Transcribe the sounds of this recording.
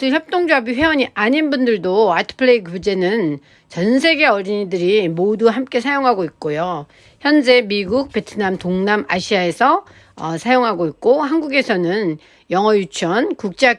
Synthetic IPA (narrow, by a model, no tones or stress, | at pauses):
ɯçjʌp̚t͈oŋd͡ʑoabiɸwe̞ʌɲiʔaɲinbundɯɭdoatʰɯ̥pʰɯɭeikud͡ʑe̞nɯn | t͡ɕʌns̬ʰe̞ɡe̞ʌɾiɲidɯɾimoduɦamk͈e̞sʰajoŋɦaɡoik̚k͈ojo | çjʌnd͡ʑe̞miɡuk̚p͈e̞tʰɯnamtoŋnamaɕʰiae̞sʰʌ | ʌsʰajoŋɦaɡoik̚k͈oɦanɡuɡe̞sʰʌnɯn | jʌŋʌjut͡ɕʰʌnkuk̚t͡ɕ͈e